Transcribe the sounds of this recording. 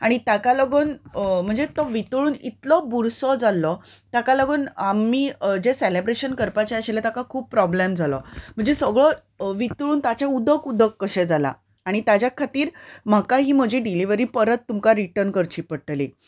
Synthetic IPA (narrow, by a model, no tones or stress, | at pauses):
aɽ̃it̪akaləɡəːnm̤əɳd͡zet̪ɔʋit̪ɭuːnḭt̪lɔbuɾsɔd͡zalːɔt̪akaləɡəːnamːiːd͡ʑeselebɾeɕənkəɾpat͡ɕeəɕelet̪akakʰuːb̚pɾɔblemd͡zʱalɔm̤əɳd͡zesəɡɭɔ | ʋit̪ɭuːnt̪at͡ɕaud̪ʱəkud̪ʱəkːəɕɛd͡zala̰ | aɽ̃it̪ad͡ʑjakʰat̪iːɾm̤akaɦiːm̤əd͡ʑʱiːɖiliʋəɾiːpəɾət̪ːumkaɾiʈəɾnkəɾt͡ɕiːpəʈlḭ